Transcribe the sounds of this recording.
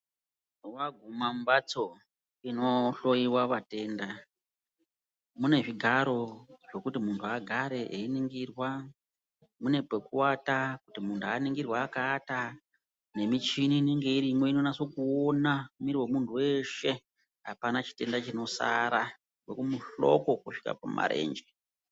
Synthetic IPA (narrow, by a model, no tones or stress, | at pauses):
waɡʱumambat͡so̞ | ino̞ɬo̞jiwaʋate̞ːnda | mune̞ʐiɡʱaɾo̞ʐe̞kutimuntʰuaɡʱaɾe̞ʔeiniŋɡirwa | mune̞pekuwatakutimuntʰuaniŋɡirwaːkaːta | ne̞mit͡ʃiniːneŋɡeiɾimo̞ino̞naso̞kuonaumiɾiwemuntʰuwe̞ʃe̞ | ɦapanat͡ʃi̥te̞ndat͡ʃino̞sa̰ɾa | wekumuɬo̞̰ko̞kuʂi̥ka̰pa̰ma̰ɾe̞̰ːnd͡ʒe